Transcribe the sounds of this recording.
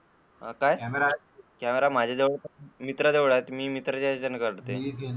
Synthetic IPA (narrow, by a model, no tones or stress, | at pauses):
ɦa̰kaj | kameɾam̤ad͡ʑʱad̪eʋɽmit̪ɾəd̪eʋɽat̪miːmit̪ɾət͡ɕad͡ʑənkəɾʈt̪ḛk